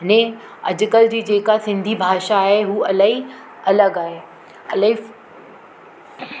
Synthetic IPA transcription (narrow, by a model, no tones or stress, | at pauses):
nẽ | ɐ̰d͡ʑʊkəld͡ʑiːd͡ʑeːkasɪ̃nd̪ʱibʱaːʃaːɦeɦuːɐlaɦi | ɐləɡaːɦe | ɐlai